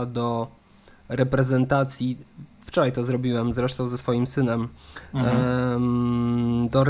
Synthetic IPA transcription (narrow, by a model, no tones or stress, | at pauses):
d̪ɔ | ɾɛpɾɛzɛnt̪at̪sʲjift͡ʂɔɾajt̪ɔzɾɔbʲiwɛmzɾɛʂt̪ɔ̃w̃zɛsfɔjimsɘnɛm | d̪ɔɾ